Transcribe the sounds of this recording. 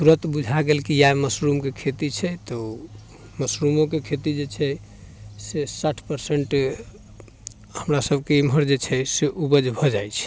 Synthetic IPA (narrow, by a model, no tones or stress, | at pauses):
suɾət̪bud͡ʒʱaɡelkijaeməsɾumkekʰet̪it͡ʃʰɛt̪ɔ | məsɾumokekʰet̪id͡ʒet͡ʃʰɛ | sesaʈʰpəɾseɳʈ | həmɾasəbʱkeimɦəɾd͡ʒet͡ʃʰɛseʔubəd͡ʒbʱɔd͡ʒajt͡ʃʰɛ̥